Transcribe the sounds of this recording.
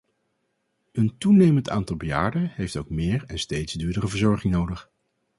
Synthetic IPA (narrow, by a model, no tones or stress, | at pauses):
əntunejmənta̰ːntɑlˠbəja̰ːɹdənɦejftowkmɪːɹɛnstejtzdyːɹdərəvəɹzɔɹχɪŋnowdəχ